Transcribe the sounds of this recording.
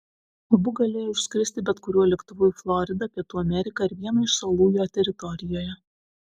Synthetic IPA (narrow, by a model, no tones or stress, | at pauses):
ɐbʊɡɐlʲeːjoʊʃʲsʲkʲɾʲɪsʲt̪ʲɪbʲɛt̪kʊɾʲuɔlʲɛkt̪ʊʋuːflˠɔɾʲɪd̪ɐpʲiɛt̪uːɐmʲɛɾʲɪkɐːɪɾʋʲiɛnɐɪʃsɐlˠuːjoːt̪ʲɛɾʲɪt̪ɔɾʲɪjoːjɛ